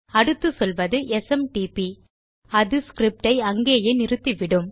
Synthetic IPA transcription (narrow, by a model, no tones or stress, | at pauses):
ɐɽɯt̪ːɯsɔlʋɐðɯʔɛsɛmʈiːpi | ɐðɯskɾɪp̚ʈɐɪɐŋɡeːjɐɪnɪɾɯt̪ːiʋɪɽɯm